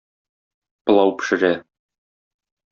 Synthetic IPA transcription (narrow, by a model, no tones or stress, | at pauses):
pɤ̆lˠɑwpɘ̥̆ʃɘ̆ɾæ